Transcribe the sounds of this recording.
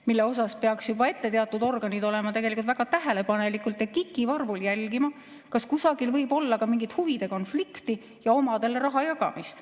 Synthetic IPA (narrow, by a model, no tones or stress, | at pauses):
milːe̞o̞s̬ɑspe̞ɑksjubɑe̞t̪ːe̞t̪eɑt̪ːˑud̪o̞rɡ̥ɑnid̪o̞le̞mɑt̪e̞ɡelikult̪væɡ̥ɑt̪æɦe̞le̞pɑne̞likːˑult̪ˑetkikːˑivɑrvuljælɡ̥imɑ | kɑskusɑɡ̥ilvɤjbo̞lːɑkɑmiŋɡ̥it̪huvid̪̥e̞ko̞nflikt̪i | jɑo̞mɑd̪e̞leɾɑɦɑjɑɡɑ̰mist̪